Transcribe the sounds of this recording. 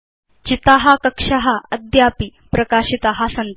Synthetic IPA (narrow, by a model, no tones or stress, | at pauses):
t͡ɕit̪aɦɐkɐkʂɐɦaɐd̪ʱjaːpipɾɐkaːɕit̪aɦasɐn